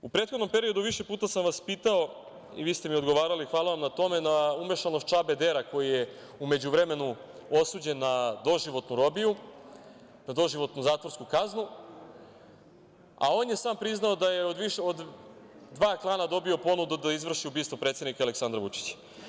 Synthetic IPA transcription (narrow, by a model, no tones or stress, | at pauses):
upɾet̪xod̪no̞mpe̞ɾio̞d̪uʋiʃepuːt̪asamʋaspiːt̪ao̞ | ḭʋiːst̪e̞miod̪ɡo̞ʋaːɾalixʋaːlaʋamnat̪o̞me̞naume̞ʃanost͡ʃabe̞d̪eɾako̞jije | ume̞d͡ʑuʋɾe̞me̞nu | o̞suːd͡ʑe̞nːad̪o̞ʒiʋo̞t̪nuɾo̞biju | nad̪o̞ʒiʋo̞t̪nuzaːt̪ʋo̞ɾskukaznu | a̰o̞ːnje̞saːmpɾiznaod̪ajeod̪ʋiʃeod̪ː | ʋaːklˠaːnad̪o̞bio̞po̞nud̪ud̪aizʋr̩ʃiubiːst̪ʋo̞pɾet̪sed̪nikale̞ksand̪ɾaʋut͡ʂi̥t͡ɕḁ